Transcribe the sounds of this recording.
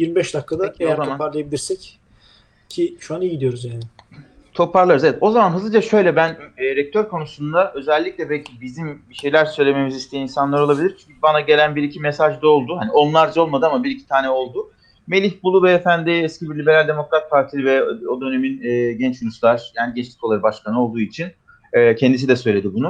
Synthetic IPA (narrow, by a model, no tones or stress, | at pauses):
jiɾmibɛʃd̪akʰːad̪aozamanpaɾlˠajabilʲiɾsɛc | cʰiʃuanijiɟid̪ijo̞ɾuzjaːnɪ | t̪ʰo̞pʰaɾlˠaɾɯzeɛt̪o̞zamanɦɯzɯd͡ʒaʃø̞jlʲɛbænːɾɛc̚t̪ʰøɾkʰo̞nusund̪aʔø̞zɛlʲːicʲlʲɛbɛlʲcʰibizimbiʃejlʲæɾsø̞jlʲe̞me̞mizist̪ʰiiːinsanlˠaɾo̞lˠabilʲiɾt͡ʃʰyɲcʰybanaɟe̞lʲænbiɾicʰimesaʒd̪ao̞lˠd̪uhanio̞nlˠaɾd͡ʒo̞lˠmad̪ɯamabiɾicʰi̥t̪ʰaːnɛo̞lˠd̪u | me̞lʲiçbulˠuvɛːfænd̪iɛscibiɾlʲibe̞ɾalʲd̪e̞mo̞kɾat̪̚pʰaɾt̪ʰilivɛo̞d̪ø̞ne̞minɛːɟɛnt͡ʃjuɾuslˠaɾ̥jaːniɟɛt͡ʃt̪ʲi̥kʰoaɾɯbaʃkanɯo̞lˠd̪uːit͡ʃʰin | ɛːcʰɛnd̪is̬id̪ɛsø̞jlʲe̞d̪ibunu